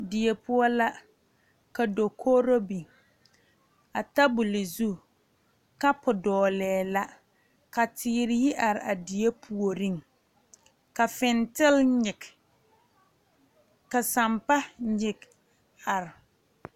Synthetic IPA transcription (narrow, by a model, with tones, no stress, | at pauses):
dɪ˨e˨pʰʊ˦ɔ˦la˦ | ka˨do˨kʰoː˦ɾo˦bi˨ | a˨ta˦bʊ˨lɪ˨zu˦ | ka˦pʊ˨dɔː˨lɛː˨la˦ | ka˨tʰɪː˦ɾɪ˦jɪ˦ʔa˨ɾɪ˨ʔa˨di˨e˦pʰu˨o˨ɾi˦ŋ | ka˨fɪ˨ntɪ˦lɲɪ˨k | ka˨sa˨mpa˦ɲɪ˨k | a˨ɾɪ˨